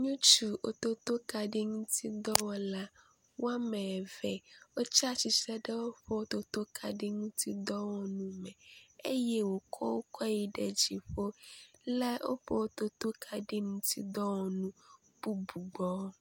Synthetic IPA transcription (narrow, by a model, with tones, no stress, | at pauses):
ɲũ˦t͡ʃu˨o̰˨t̪o˦t̪o˦ka˨ɖe˦ŋũ˦t̪ʰi˦d̪ɔ˦wɔ˨la˦ | wo˦a˦mɛ˨vɛ˨wo˦t͡ʃa˦t͡ʃi˨sɛ˦ɖɛ˦wo˦ɸɔ˦o˦t̪o˦t̪o˦kʰa˨ɖe˦ŋũ˦t̪i˦d̪ɔ˦wɔ˨nũ˦mɛ̃˨e˦jɛ˦wo˨kʰɔ̰˦wo˦kɔ˦ji˨ɖe˨d͡ʑi˨ɸo˦lɛ˦o̰˦ɸɔ˦wo˦t̪o˦t̪o˦kʰa˨ɖe˦ŋũ˦t̪ḭ˦d̪ɔ˦wɔ˨nũ˦ | b̥u˦bu˨ɡ͡bɔ˨˦